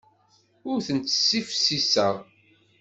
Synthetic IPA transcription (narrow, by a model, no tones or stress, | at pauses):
ʊɾθənt͡s̪ːə̥sːifsisəʁ